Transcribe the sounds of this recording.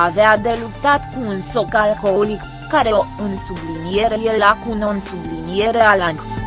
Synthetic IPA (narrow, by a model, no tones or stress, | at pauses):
avead̪e̞lupt̪at̪kuːnso̞kalko̞ɦolikːaɾe̞oɨnsublinije̞ɾeje̞lakunonsublinije̞ɾe̞alant̪ʲ